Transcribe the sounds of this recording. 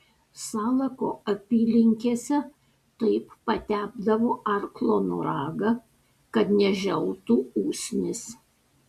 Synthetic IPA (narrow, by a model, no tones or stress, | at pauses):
sɑːlˠɐkoːɐpʲiːlʲɪŋʲkʲeːsʲɛ | t̪ɐɪpːɐt̪ʲæːbd̪ɐʋoːʔɐɾklˠoːnṵɾɑːɡɐ | kɐt̪nʲɛʒʲɛlˠt̪uːuːsʲnʲɪs